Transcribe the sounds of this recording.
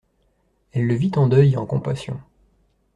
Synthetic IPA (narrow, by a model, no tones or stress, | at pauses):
ɛlːəvit̪ɑ̃d̪œjɑ̃kɔ̃pasjɔ̰̃